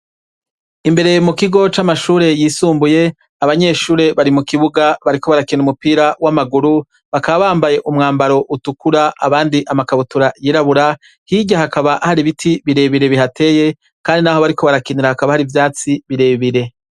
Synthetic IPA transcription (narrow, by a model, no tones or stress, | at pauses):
imbe̞ɾe̞mukiɡo̞t͡ʃamaʃuːɾe̞jiːsuːmbuje̞ | aβaɲe̞ʃuːɾe̞βaɾimukiβuɡaβaɾiko̞βaɾakiniumupiːɾawamaɡuɾu | βakaβaβaːmbaje̞ʔumŋaːmbaɾo̞ʔutukuɾaaβaːndiʔamakaβutuɾajiɾaβuɾa | hiɟahakaβaʔhaɾiβitʰiβiɾe̞βiɾe̞βiɦatʰe̞ːje̞ | kaːndinaho̞βaɾiko̞βaɾakiniɾahakaβahaɾivjaːt͡siβiɾe̞ːβiɾe̞